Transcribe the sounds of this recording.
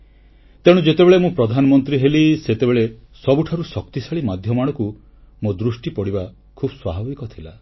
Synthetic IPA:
t̪eɽ̃ũd͡ʒet̪ebeɭemũpɾɔd̪ʱanɔmɔnt̪ɾiɦeliset̪ebeɭesɔbuʈʰaɾusɔkt̪isaɭimad̪ʱjɔmaɽ̃ɔku | mod̪ɾusʈipɔɽiba | kʰubɔswabʱabikɔt̪ʰila

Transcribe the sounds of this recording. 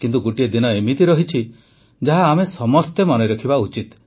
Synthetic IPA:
kint̪uɡoʈied̪inɔemit̪iɾɔɦit͡ʃʰi | d͡ʒaɦaːmesɔmɔst̪emɔneɾɔkʰibaut͡ʃit̪

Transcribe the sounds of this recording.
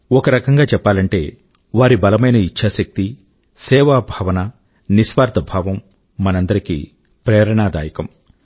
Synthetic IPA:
ɔkɐɾɐkɐŋɡaːt͡ʃɛpːaːlɐɳʈe̞̰ː | ʋaːɾibɐlɐmɐjnɐit͡ʃʰːaːsɐk̚t̪i | sɛːʋaːbʱaːʋɐnɐ | nisʋaːɾt̪ʰɐbʱaːʋɐmː | ɐnɐnd̪ɐɾikḭː | pɾɛːɾɐɳaːd̪aːjɐkɐm

